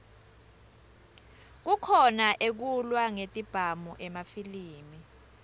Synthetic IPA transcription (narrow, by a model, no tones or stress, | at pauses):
k̬ukʰɔnaʔek̬ulwaŋetʼib̥ʱamuʔɛmafiliːmi